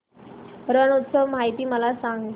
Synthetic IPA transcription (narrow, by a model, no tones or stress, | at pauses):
ɾənut̪səʋmaɦit̪iːməlasaŋɡ